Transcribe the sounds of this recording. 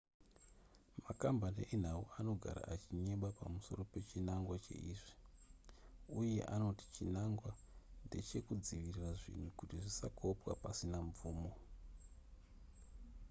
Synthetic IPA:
makambaniʔen̤auano̞ɡʱa̰ɾa̰ʔat͡ʃiɲe̞ɓapamuso̞̰ro̞pe̞t͡ʃinaŋɡwat͡ʃe̞̰ʔiːʐi | uje̞̰ʔano̞ti̥t͡ʃinaŋɡwa | nde̞t͡ʃe̞kud͡ziʋiriraʐḭn̤ukutiʐisakʰo̞pwa̰pasinaɱvuːmo̞

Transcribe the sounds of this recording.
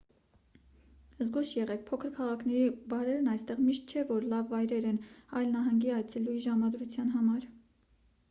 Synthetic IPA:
zɡuʃjɛʁɛk̚pʰɔkʰəɾkʰɑʁɑkʰnɛɾibɑɾɛɾnɑjst̪ɛʁmiʃt̪̚t͡ʃʰɛvɔɾlɑvːɑjɾɛɾɛnɑjlnɑɦɑŋɡiɑjt͡sʰɛlujiʒɑmɑd̪ɾut͡sʰjɑnɦɑmɑɾ

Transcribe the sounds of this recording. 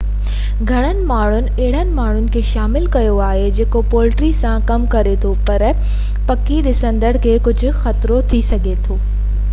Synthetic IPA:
ɡʱɐɽ̃ənɪ̆maːɳ̤ʊnɪ̆eɪɽ̤̃ənɪ̆maːɳ̤ʊnɪ̆kʰeːʃaːmɪlkɐjoaːɦed͡ʑeːkopoːlʈɾisãkɐmkɐɾet̪ʰopɐɾ | pɐkiɗɪsə̃nd̪əɽkʰeːkʊd͡ʑʱʊ̆xɐt̪ɾot̪ʰisɐɡʱet̪ʰoː

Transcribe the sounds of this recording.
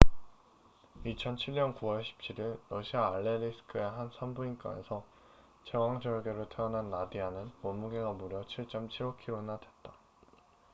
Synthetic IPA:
it͡ɕʰʌnt͡ɕʰiɭɲʌnkuwʌɭɕʰi̥p̚t͡ɕʰiɾiɭːʌɕʰiaːɭːeɾisʰɯ̥kʰɯeɦansʰambuink͈a̰nesʰʌ | t͡ɕe̞waŋd͡ʑʌɭɡeɾɯɭtʰeʌnɦanːadianɯnmʌmuɡeɡamuɾjʌt͡ɕʰiɭt͡ɕ͈ʌmt͡ɕʰiɾokʰiɾonadʰwe̞t̚t͈a

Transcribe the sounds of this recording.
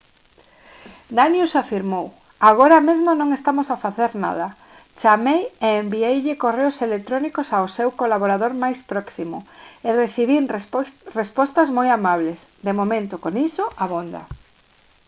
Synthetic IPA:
d̪anjusafiɾmow | aɣ̞oɾamezmonõŋest̪amosafaθeɾna̰ðɐ | t͡ʃamejeːmbiejʎɪkoreʊselet̪ɾonikʊsaosewkolaβoɾaðoɾmajspɾɔksimʊereθiβinrespɔst̪ɐzmojamaβlesd̪emomẽnt̪ʊkoŋisoaβond̪ɐ̰

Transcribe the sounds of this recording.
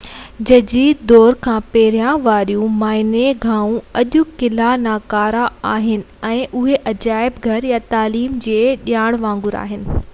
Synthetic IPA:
d͡ʑɐd͡ʑiːd̪d̪ɔːɾkʰãːpeːɾijãʋaːɾijũmaːɪneɡʱaːũɐʄʊkɪlanaːkaːɾaaːɦɪnɪ̆ɛ̃ːʔʊɦeʔɐd͡ʑaːɪbɡʱɐɾjat̪aːliːmd͡ʑeːɗijaːɽ̃ʋãːŋ̆ɡʊɾa̰ːɦɪnɪ̆

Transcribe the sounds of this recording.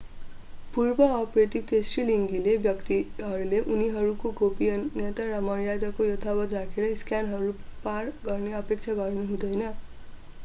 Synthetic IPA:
purbʌːpreʈib̚ʈesʈriliŋɡilebjʌkt̪iɦʌɾuleʔuniɦʌɾukoɡopijʌnːet̪arʌmʌɾjad̪ʌkojʌt̪ʰabʌt̪rakʰeɾʌiskjanɦʌɾuparɡʌrneʌpek̚t͡sʰaɡʌrnuɦũd̪ʌjnʌ

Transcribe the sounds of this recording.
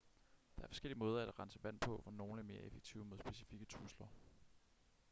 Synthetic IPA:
d̥ɑ̈æɐfɒ̽sɡ̥el̰iəmɔ̽ːð̞ˠɐæd̥æʁɑ̈nsəʋæn̰pʰɔ̽fɒno̝ːnəæɐme̝ːɐʔefeɡ̥̚t͡sʰiːʊ̰moð̞ˠsb̥e̝si̥fiɡ̥ət͡sʰʁuslɐ

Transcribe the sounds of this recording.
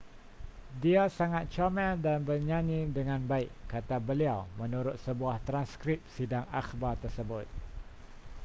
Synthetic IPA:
diasaŋat̪̚t͡ʃamɛdanbərɲãnidəŋãnbaiʔkːat̪abəliawmə̃nuɾʊt̪̚səbuaht̪ɾanskɾip̚sidaŋakbart̪ərsəbʊt̪̚

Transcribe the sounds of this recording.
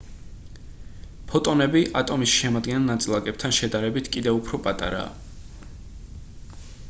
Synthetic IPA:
pʰɔt̪ʼɔnɛbiʔat̪ʼɔmisʃɛmad̪ɡɛnɛlˠnat̪sʼlˠakʼɛp̚t̪ʰanʃɛd̪aɾɛbit̪ʰkʼid̪ɛvupʰɾɔpʼat̪ʼa̰ɾa̰ː

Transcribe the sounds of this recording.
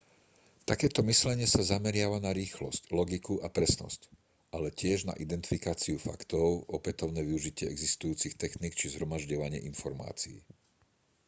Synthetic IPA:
t̪akɛːt̪ɔmislɛɲɪɛsazamɛɾɪaʋanaɾiːxlɔ̰sclɔɡikuʔapɾɛsnɔ̰sc | ʔalɛcɪɛʒna̰ʔid̪ɛnt̪i̥fikaːt͡siufa̰kt̪ɔʊɔpɛt̪ɔʊnɛːʋiuʒicɪɛɛɡzist̪ujuːt͡sixt̪ɛxniːk̚t͡ʃizɦɾɔmaʒɟɔʋaɲɪɛ̰ʔinfɔɾma̰ːt͡siḭ

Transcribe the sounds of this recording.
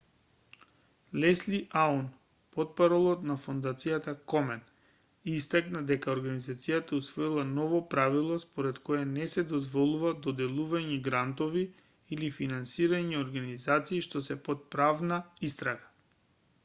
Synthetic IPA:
lɛsliʔaun | pɔt̪̚paɾɔlˠɔt̪nafond̪at̪sijat̪akɔmɛn | ist̪aknad̪ɛkaoɾɡanizat̪sijat̪ausvɔilˠanɔvɔpɾavilˠɔspɔɾɛt̪kɔjanɛsɛd̪ɔzvɔlˠuvad̪ɔd̪ɛlˠuvaɲiɡɾant̪ɔviː | lifinansiɾaɲioɾɡanizat̪siːʃt̪ɔsɛpɔt̪̚pɾavnaist̪ɾaɡḁ

